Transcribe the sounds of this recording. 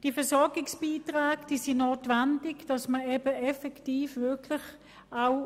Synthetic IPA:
d̥iːfɛɐsɔɐɡɪksb̥iːtʁaːɡd̥iːsinoːtʋɛndɪɡd̥ɑsməebəɛfɛktiːfvɪɐkʰlɪχ | aʊ

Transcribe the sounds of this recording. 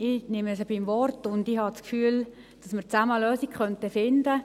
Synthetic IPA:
ɪnɪməsəb̥ɪmʋɔrtʊndɪhɑt͡skfyːl | d̥ɑsməɾt͡saməløːsikχœntəfɪndə

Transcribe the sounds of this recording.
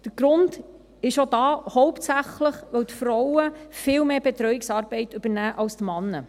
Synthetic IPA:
d̥əɾɡ̥ɾʊnd | ɪʃodɑːhɔʊptsæχləχʋœwtfɾɔwəfɪːlmeːb̥ɛt̪ɾœɥɪksɑːɾb̥ɛɪtʏbənæːʔɑwstmɑnːə

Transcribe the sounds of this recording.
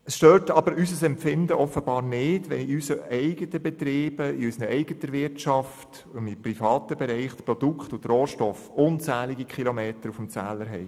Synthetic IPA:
əsʃtøːtɑb̥əɾysəsɛmfɪndəʔɔfːəbɑːɾnɪːdʋɛ̰niysəʔɛɪɡətəbɛt̪ɾɪːb̥əiysnəɛɪɡətəʋɪtt͡ʃɑft | ʊnɪprifɑːtəbɛɾɛɪχtpɾɔd̥ukχtʊtroːʃtɔfʊnt͡sæːlɪɡikχilomeːtəɾufm̩t͡sæːləɾɦɛ̰ɪ

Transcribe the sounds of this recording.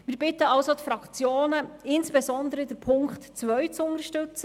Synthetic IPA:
mɪːɾbɪt̪əɑwsot̪fɾɑkχt͡sjoːnəɪnsb̥ezɔnd̪əɾəd̥̪əɾpʰʊŋktt͡sʋœɥt͡sʊŋəʃtʉt͡sə

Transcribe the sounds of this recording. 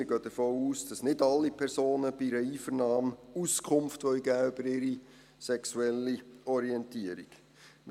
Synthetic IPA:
ɪɾɡ̥øːd̥̪əfoːuːsd̥ɑsnɪdɑlːipʰɛɾsoːnəb̥iɾəiːfəɾnɑːmuskʰχʊmftʋœʏɡæːøbəɾɪɾi | sɛksuɛlːiɔɾiɛntiəɾik | m

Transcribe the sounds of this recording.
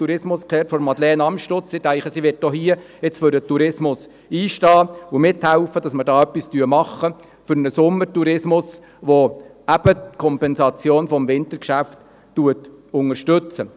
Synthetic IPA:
tuɾɪsmʊskʰɛːɾtfɔɾmɑd̪lɛːnɑmʃtot͡sɪtæɪχəsiʋɪt̚dɔhiə | ɪt͡sføɾdətuɾɪsmʊs | iːʃtɑːʊmɪthæʊfədɑsməɾdɑːœpːistyəmɑχːə | fʏɾnəsʊmːətuɾɪsmʊs | ʋo | æb̥ətkʰɔmpɛnsɑt͡sjoːnfɔmʋɪnt̪əɾkʃæftː | uətʊŋəɾʃtɵt͡sə

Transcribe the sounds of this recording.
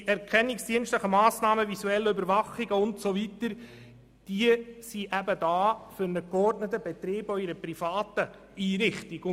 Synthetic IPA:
ɛɾkʰɛnːiksd̥iənstləχəmɑːsnɑːməvisuɛlːəøbəɾvɑχiɡəʊntsovitəɾ | d̥iəsiʔæbədɑːfʏɾnəkɔrdnətəbɛt̪ɾɪːbɔiɾəprifɑːt̪ə | iːɾɪχtiɡ

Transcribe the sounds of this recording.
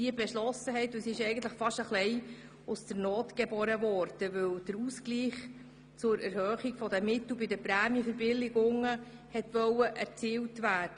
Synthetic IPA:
d̥iəbɛʃlɔsəɦɛɪt̪usiɪʃɛɪjɡən̩t̪ləχfɑʃəχlɛɪ | usd̥əɾnɔːtɡ̥ɛbɔɾəvɔːɾd̥əʋɵwd̥əɾuskliːχ | t͡sʊɾæɾhøːχiɡ̥fɔdəmɪt̪l̩bɪdəpɾæːmjəfəɾbɪlːɪɡʊŋəhɛt̪ʋœwəʔæɾt͡siːwtvæːrd̥ə

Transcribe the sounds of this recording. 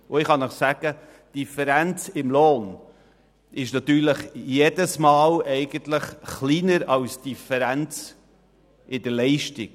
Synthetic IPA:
ʊɪχhɑnəχsæɡ̥ə | d̥ifəɾænt͡sɪmloːn | ɪʃnɑt̪yːɾləχjedəsmɑːlɛɪɡəntləχχliːnəɾɑwsd̥ifəɾænt͡s | ʔɪdəlɛɪʃtɪk

